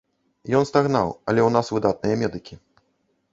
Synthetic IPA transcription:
jɔnst̪aɣna̰wɐlʲɛwn̪asvɨd̪at̪̚nɨjɐmʲɛd̪ɨkʲi

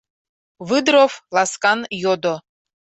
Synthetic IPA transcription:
βɨd̪ɾoflˠɑskɑnjod̪o

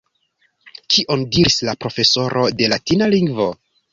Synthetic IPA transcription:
kʰiʔo̞ndiɾislapɾo̞fe̞so̞ɾʔo̞de̞latinaliŋɡvo̞

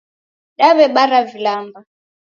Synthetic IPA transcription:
ɗaβɛɓaɾavilaːmba

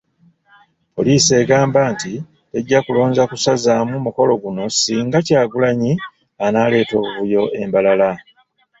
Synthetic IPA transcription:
po̞̰liːse̞ːɡaːmbaːnti | eɟːakulo̞ːɲzakusazaːmumuko̞lo̞ɡuno̞siːŋɡacaːɡulaɲi | anaːle̞ːto̞ːβuβujo̞ʔe̞mbalala

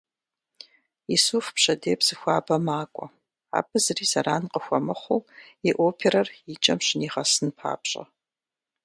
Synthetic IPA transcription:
isuːfpɕɐdeːpsɨxʷaːbɐmaːkʷʼɔ | a̰ːbʰɨzɨriːzɐɾaːnqəxʷɔmɨχʷuːiʔoːpʰeɾɐrit͡ʃʼɐmɕɪniːʁɐsɨnpʰa̰ːpɕʼɐ̰

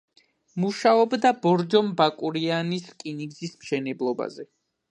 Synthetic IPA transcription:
muʃaɔbd̪abɔɾd͡ʒɔmbakʼuɾianiskʼiniɡzismʃɛnɛblˠɔba̰zɛ

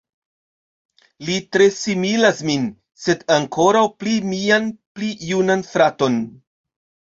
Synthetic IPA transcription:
litɾe̞similasmin | se̞daŋkʰo̞ɾawplimianplijunanfɾato̞n

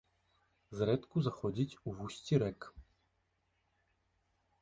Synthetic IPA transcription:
zɾɛt̪kuzaxɔd͡zʲit͡sʲuvusʲt͡sʲiɾɛk

